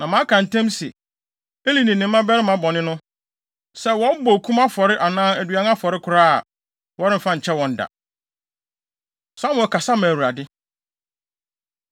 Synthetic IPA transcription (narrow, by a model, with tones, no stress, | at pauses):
nã˨mã˨˦kʰã˨n̩˨tʰɛ̃˦msɛ̰˨ | e˦li˨nĩ˨nɪ̃˨mː˦ã˦bɛ˦ɾɪ˦mã˨bɔ˨nɪ̃˦nʊ̃˦ | sɛ˦wɔ̃˦m̩˦bɔ˨kʰũ˦ma˦fɔ˨ɾɪ˦ʔa˨nãː˦æ˨dɥa˨n˦a˦fɔ˨ɾɪ˦kʰʊ˨ɾaː˦a̰˨ | wɔ˦ɾɪ̃˦m̩˨fã˦ɲ̩˨t͡ɕʰɛ˦wɔ̃˨n̩˨da̰˨ | sa˦mʊ̃˨kʰa˨sa˦mã˨wu˨ɾa˨dɪ˦